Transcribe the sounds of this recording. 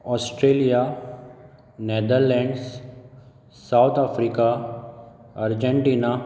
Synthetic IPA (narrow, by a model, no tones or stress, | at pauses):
ɔːsʈɾeːlija | ned̪əɾlɛ̃ɳɖs | sawt̪ʰafɾiːka | ɐɾd͡ʒẽɳʈiːna